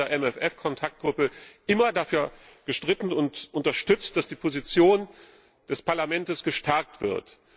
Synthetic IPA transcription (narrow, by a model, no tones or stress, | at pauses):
ɐʔɛmɛfʔɛfkʰɔntʰak̚t̚ɡ̥ʁʊpəʔɪmɐdafyːɐɡ̥əʃtʁ̥ɪtn̩ʊntʔʊntɐʃtʏt͡st̚d̥asd̥iːpʰozit͡sjoːn | d̥ɛspaɐlamɛntəsɡ̥əʃtʰɛɐk̚tv̥ɪ̰ɐt